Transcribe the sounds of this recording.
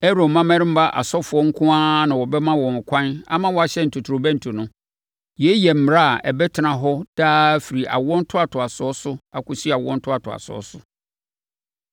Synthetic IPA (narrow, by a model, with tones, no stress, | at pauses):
ɛ˦ɾo˨mã˦mɛ̃˦ɾɪ˦m̩˦ba˦ʔa̰˨sɔ˦fʊ˨ɔ˦ŋ̩˦kʰʊ̃˦ãː˦nã˨wɔ˨bɛ˦mã˦wɔ̃˨ŋ˨kʷʰã˦na̰˦mã˨wɔ˨a˨ɕɛ˦n̩˨tʰu˨tʰɾo˨bɛ̃˦n̩˨tʰu˨nʊ̃˦ | jɛ˦jɛ˨m̩˦m˨ɾa˦a˨ʔɛ̰˨bɛ˦tʰɪ˨nã˨ɦɔ˦d̥aː˦˨fi˨ɾi˨ʔa̰˨wɔ̃˦n̩˦tʰʊ˦a˨tʰʊ˨a˨sʊ˨ɔ˦sʊ˦a˨kʊ˨si˦˨a˨wɔ̰̃˦n̩˦tʰʊ˦a˨tʰʊ˨a̰˨sʊ̰˨ɔ̰˦sʊ˦